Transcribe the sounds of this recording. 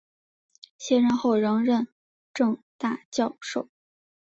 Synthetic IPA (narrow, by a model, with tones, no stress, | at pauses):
ɕjɛ˥ɻə˥˧˥nxo˥˩ʊɻɤ˧˥ŋɻə˥˧n | ʈ͡ʂɤ˥˧ŋt̪a˥˧t͡ɕjɑ˥˧ʊʂo˥˩ʊ